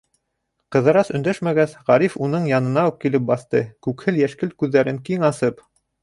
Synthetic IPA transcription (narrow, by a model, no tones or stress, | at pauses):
qɤ̆ðɤ̆ɾɑsɵ̆nd̪æʃmæɡæsʁɑɾifunɤɴjɑnɤ̆nɑuq̚kilɘp̚bɑθt̪ɤkʉkhɘljæʃkɘlkʉðːæɾɘŋkiŋɑsɤp